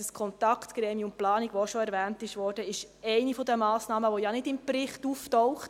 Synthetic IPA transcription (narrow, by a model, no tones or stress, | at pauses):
əskʰɔnt̪ɑkχt̪ɡ̥ɾɛːmiəʊmplɑːniɡʋoʃɔɛɾʋæːntɪʃʋɔːɾd̥əɪʃ | ɛɪnifɔd̪əmɑːsnɑːməʋojɑnɪdɪmpɾɪχtuftɔwχt